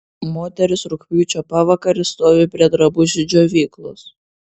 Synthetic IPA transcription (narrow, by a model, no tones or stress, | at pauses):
moːt̪ʲɛɾʲɪsɾʊkʲpʲuːt͡ʃʲoːpɐʋɐkɐɾʲɪst̪oːʋʲɪpʲɾʲiɛd̪ɾɐbʊʒʲɪd͡ʒʲoːʋʲiːklˠʊs